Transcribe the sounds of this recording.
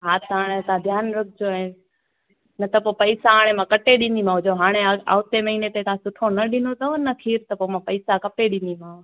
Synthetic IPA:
ɦaːt̪ɦaːɽ̃et̪ãd̪ʱjaːnɾɐk̚ʰd͡ʑon | nɐt̪ɐpopɐɪsaɦaːɽ̃emãkɐʈeɗɪ̃nd̪im̤ãːɦʊd͡ʑoɦaːɽ̃ea̰ʊt̪emɐɦiːnet̪ek̪ʰãsʊʈʰonɐɗɪnot̪ʰɐonɐkʰiːɾt̪ɐpomãpɐɪsakɐpeɗɪ̃nd̪imãː

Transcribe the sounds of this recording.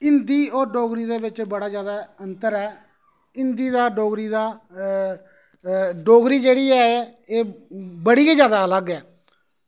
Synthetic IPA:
ɪnd̪iːoːɾɖoːɡɾiːd̪eːbɪt͡ʃbəɽaːd͡ʒjaːd̪aːənt̪əɾɛː | ɪnd̪iːd̪aːɖoːɡɾiːd̪aː | ɖoːɡɾiːd͡ʒeːɽiːɛːeeːbəɽiːiːd͡ʒjaːd̪aːələɡɛː

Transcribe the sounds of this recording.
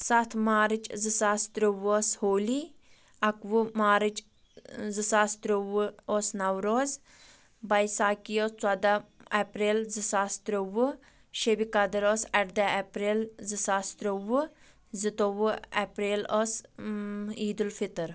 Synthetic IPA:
sɐt̪ʰmaːɾɨt͡ʃzɨsaːst̪ɾoʋoːshoːli | ɐkʋumaːɾɨt͡ʃ | zɨsaːst̪ɾowuoːsnɐwɾoːz | bɐjsaːkijoːst͡swɐd̪aɐpɾeːlzɨsaːst̪ɾoʋu | ʃebikɐd̪ɨɾoːsɐɾd̪ɐepɾeːlzɨsaːst̪ɾoʋu | zɨt̪oʋɨɛpɾeːloːs | iːd̪ulfit̪ɨɾ

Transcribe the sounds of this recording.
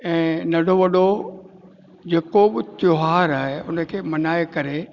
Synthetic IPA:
ɛ̃ːnɐɖʱoʋɐɗo | d͡ʑeːkoɓɪt̪joɦaːɾaːɦeʊnə̆kʰeːmɐnaːekɐɾe

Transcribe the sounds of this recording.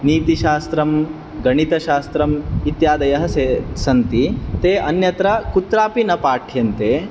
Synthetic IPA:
niːt̪iʃaːst̪ɾɐm | ɡɐɳit̪ɐʃaːst̪ɾɐmit̪jaːd̪ɐjɐɦɐsesɐnt̪it̪eːʔɐnjɐt̪ɾɐkut̪ɾaːpinɐpaːʈʰjɐnt̪eː

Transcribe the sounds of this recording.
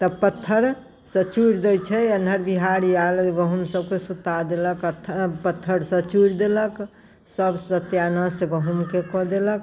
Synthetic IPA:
t̪əpət̪ʰːəɾ | sət͡ʃuɾd̪əjt͡ʃʰɛənəɾbiɦaɾjalɡəɦumsəbkesut̪ad̪eləkət̪ʰːpət̪ʰːəɾsət͡ʃuɾd̪elək | səbsət̪janəsɡəɦumkekɔd̪elək̚

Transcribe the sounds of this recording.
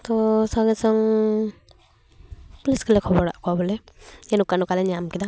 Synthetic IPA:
t̪ɔsaŋɛsɔŋ | pɔliskelɛkʰɔbɔɽa̰ʔkɔwabɔlɛenukanɔkalɛɲamkid̪a

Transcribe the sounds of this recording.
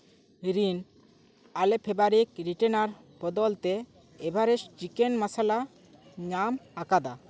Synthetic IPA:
ɾin | alepʰebaɾik̚ɾiʈenaɾ | bɔd̪ɔlt̪eː | bʱaɾest͡ʃikenmasala | ɲamakad̪a

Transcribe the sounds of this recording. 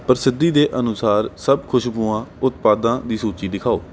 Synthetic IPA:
pəɾsɪd̪ːiːd̪eːʔənʊsaːɾsəbkʰʊʃpũːãːʊt̪paːd̪ãːd̪iːsuːt͡ʃiːd̪ɪkʰaːoː

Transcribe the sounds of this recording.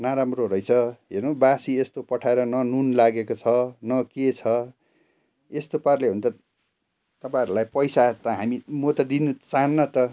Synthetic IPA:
naɾamroɾʌjt͡sʰʌɦernobasiest̪opʌʈʰaeɾʌnʌnunlaɡekot͡sʰʌnʌket͡sʰʌ | est̪oparleɦunt̪ʌ | t̪ʌpãʌɾulajpʌjsat̪ʌɦamimot̪ʌd̪inut͡saɦʌnːʌt̪ʌ

